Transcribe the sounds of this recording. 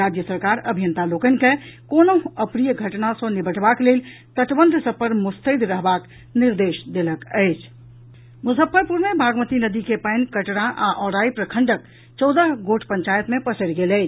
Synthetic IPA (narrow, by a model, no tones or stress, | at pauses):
ad͡ʒjəsəɾkaɾəbʱijənt̪alokənkekonoəpɾijəɡʱəʈnasə̃nibəʈʰbaklel | t̪əʈ̪bənd̪ʱsəbpəɾmust̪əd̪ɾəɦbak | niɾd̪esd̪eləkəɪt͡ʃʰ | musəpʰːəɾpuɾmebʱaɡmət̪inəd̪ikepəɪnkəʈɽaʔaʔɔɾaipɾəkʰəɳɖək̚ | t͡ʃɔʊd̪əɦɡoʈʰpəɲt͡ʃajət̪mepəsəlɡeləɪt͡ʃʰ